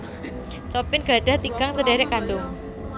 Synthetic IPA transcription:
t͡ʃɔpɪnɡ̥adaht̪iɡ̥aŋsədeɾɛʔkandʊŋ

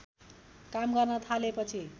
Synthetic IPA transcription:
kamɡʌrnʌt̪ʰalepʌt͡sʰi

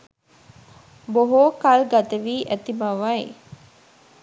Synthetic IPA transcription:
boɦoːkalɡat̪əʋiːʔæt̪imaʋae

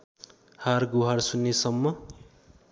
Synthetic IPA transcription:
harɡuɦarsunːesʌmːʌ

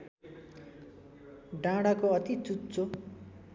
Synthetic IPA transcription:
ɖãɽakoʌt̪it͡sutːt͡so

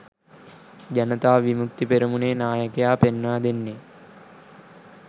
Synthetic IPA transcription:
d͡ʒɐnət̪aːʋimuk̚t̪ipeɾumuneːnaːjəkejaːpenːʋaːd̪enːe

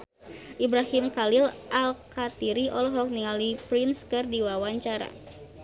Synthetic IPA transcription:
ʔibɾahimkalɪlʔalkat̪iɾiʔɔlɔɦɔk̚niŋalipɾɪnskɨrdiwawaɲt͡ʃaɾa̰

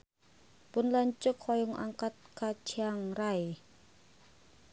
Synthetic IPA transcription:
b̥unlant͡ʃukʰɔjuŋʔa̰ŋkat̪̚kat͡ʃʰiaŋɾaj

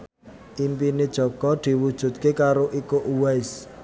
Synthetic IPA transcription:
ʔimpined̥ʒ̥ɔ̤ɡ̥ɔd̪̥i̤wud̥ʒ̥ṳt̪̚kekaɾoʔikoʔuwɛs

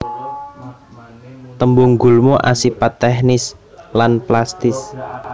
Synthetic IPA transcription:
t̪əmbʊŋɡulmoʔasipat̪ɛhnɪs | lanplast̪ɪs

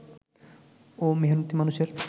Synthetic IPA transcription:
omeɦonut̪ːimanuʃeɾ

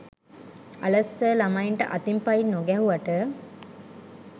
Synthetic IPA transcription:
a̰ləsːəlamaiɳʈəʔat̪impainːoɡɛɦuʋaʈə

